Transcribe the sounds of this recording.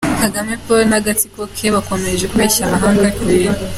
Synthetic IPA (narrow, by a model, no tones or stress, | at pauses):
akaɡame̞polnaɡatikokʰeβako̞me̞ʒekuβeːʃamaɦaːŋɡakia